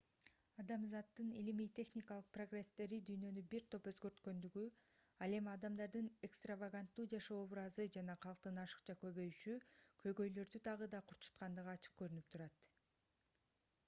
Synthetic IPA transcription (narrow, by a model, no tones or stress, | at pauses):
ɑd̪ɑmzɑt̪ːɯnḭlimiːt̪ʲʰe̞xnʲikalˠɯq̚pro̞ɡre̞st̪e̞ɾid̪yjnø̞nybiɾt̪ʰo̞pø̞zɡø̞ɾt̪kø̞nd̪yɡy | ɑlˠe̞miɑd̪ɑmd̪ɑɾd̪ɯnekst̪ravaɡant̪ːuːd͡ʒɑʃooβɾɑzɯd͡ʒɑnɑqʰɑlˠqt̪ɯnɑʃɯ̥qt͡ʃʰɑkø̞βø̞jyʃykʰø̞jɡø̞jlø̞ɾd̪yt̪ʰɑʁɯd̪ɑqʰuɾu̥t̪qɑnd̪ɯʁɑt͡ʃʰɯ̥q̚kø̞ɾynyp̚t̪ʰuɾɑt̪